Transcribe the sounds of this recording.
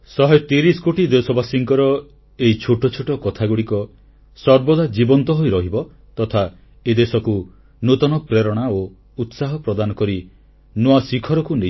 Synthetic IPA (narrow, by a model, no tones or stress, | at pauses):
sɔɦet̪iɾiskoʈid̪esɔbasiŋkɔɾɔ | eit͡ʃʰoʈɔt͡ʃʰuʈɔkɔt̪ʰaɡuɽikɔ | sɔɾbɔd̪ʱad͡ʒibɔnt̪ɔɦojɾɔɦibɔ | t̪ɔt̪ʰa | ed̪esɔku | not̪ɔnɔpɾeɾɔɽ̃ao | ut̪saɦɔpɾɔd̪anɔkɔɾi | noasikʰɔɾɔkune